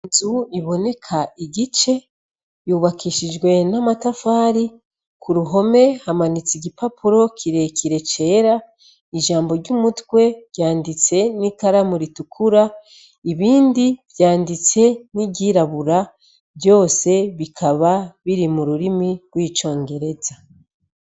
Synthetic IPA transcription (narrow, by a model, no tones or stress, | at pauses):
zuiβo̞ne̞kʰaiɟit͡ʃe̞ | juːβakʰiʃid͡ʒɡwe̞namatafaːɾi | kʰuɾuɦo̞me̞hamanit͡siɡipapuɾo̞kʰiɾe̞kʰiɾe̞t͡ʃe̞ːɾa | iʒaːmbo̞ɾɟumutwe̞ɟ̥aːndit͡se̞nikaɾamuɾitukʰuɾa | iβiːndivjaːndit͡se̞niɟiɾaβuɾa | βjo̞ːse̞βikʰaβaβiɾimuɾuɾimiɡ̥wiːt͡ʃo̞ːŋɡe̞ɾe̞za